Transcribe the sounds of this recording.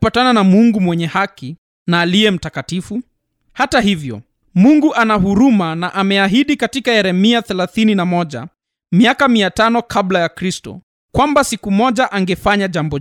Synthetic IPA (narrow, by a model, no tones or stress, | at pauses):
patananamuŋɡumwɛɲɛhaki | naːliɛm̩takatifu | hataɦivjɔ̰ | muŋɡuʔanaɦuɾumanaʔamɛaɦiɗikatikahɛɾɛmiaθɛlaθininamɔʄa̰ | miakamiatanɔkʰablajakɾistɔ̰ | kwambasikumɔʄaʔaŋɡɛfaɲaʄambɔ